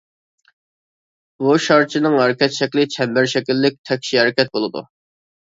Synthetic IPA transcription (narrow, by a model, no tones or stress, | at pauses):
buʃɑɾt͡ʃʰinɨŋɦɛɾɪkʲɛt̪ʃɛkʲlɪt͡ʃʰɛmbɪɾʃɛkʲilːɪk̚ʲt̪ʰɛkʲʃiɛɾɪkʲɛt̪̚bolˠɨd̪ṵ